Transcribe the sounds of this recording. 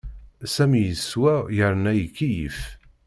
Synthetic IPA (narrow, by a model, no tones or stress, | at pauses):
sæmijəswæjəɾˤnæjkːijəf